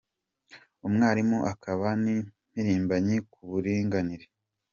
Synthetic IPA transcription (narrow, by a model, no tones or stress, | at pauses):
umŋaːɾimuʔakaβani | miɾiːmbaɲikuβuɾiːŋɡaniɾe